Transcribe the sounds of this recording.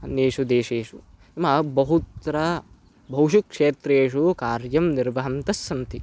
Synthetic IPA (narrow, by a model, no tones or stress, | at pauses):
ɐneːʂud̪eːʃeːʂu | imɐbɐɦut̪ɾɐ | bʱɐwʃukʂeːt̪ɾeːʂukaːɾjɐmniɾʋɐɦɐnt̪ɐsːɐnt̪i